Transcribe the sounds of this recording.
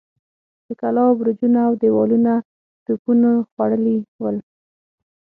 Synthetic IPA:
d̪̥əkalɑbɾud͡ʒunaːwd̪ewɑluna | t̪upunaxwaɽəliwəl

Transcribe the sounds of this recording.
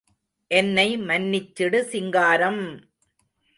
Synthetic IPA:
ʔɛnːɐɪmɐnːɪt͡ʃːɪɽɯsɪŋɡaːɾɐm

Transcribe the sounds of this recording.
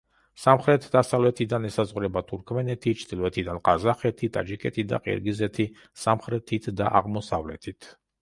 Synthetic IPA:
samχɾɛt̪ʰd̪asavlɛt̪ʰid̪anɛsazʁuɾɛbat̪ʰuɾkʰmɛnɛt̪ʰit͡ʃʰd̪ilˠɔɛt̪ʰid̪anqʼazaχɛt̪ʰit̪ʼa̰d͡ʒikʼɛt̪ʰid̪a̰qʼḭɾɡizɛt̪ʰi | samχɾɛt̪ʰit̪ʰd̪aʔa̰ʁmɔsavlɛ̰t̪ʰit̪ʰ

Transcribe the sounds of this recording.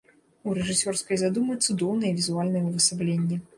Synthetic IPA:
uɾɛʐɨsʲɔrskɐjzad̪umɐjt̪sud̪ɔwnɨjɛvʲizualʲnɐjɛvɨsablʲenʲːɛ

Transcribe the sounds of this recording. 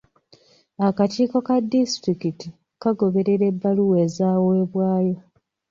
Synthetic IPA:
akatiːko̞kadːistɾikiti | kaɡo̞βe̞ɾe̞ɾe̞bːaluwe̞zaːwe̞ːβwaːjo

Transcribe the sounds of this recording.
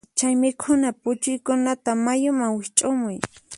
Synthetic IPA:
t͡ʃajmɪkʰʊnapʊt͡ʃʊjkʊnat̪amajʊmaŋwɪt͡ʃʼʊmʊj

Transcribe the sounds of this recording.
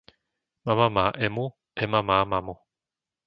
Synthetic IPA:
mamamaʔɛmu | ɛmamamamo

